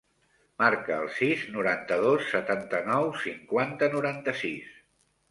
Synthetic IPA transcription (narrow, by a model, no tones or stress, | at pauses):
maɾkəːlˠsiznuɾant̪əðosːət̪ant̪ənɔwsiŋkwant̪ənuɾant̪əsis